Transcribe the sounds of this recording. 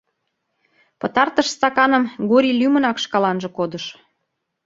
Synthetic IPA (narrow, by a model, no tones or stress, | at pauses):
pə̆t̪ɑrt̪əʃst̪ɑkɑnə̆mɡoɾʲilʲymə̆nɑkʃkɑlɑnʒɤ̆kod̪əʃ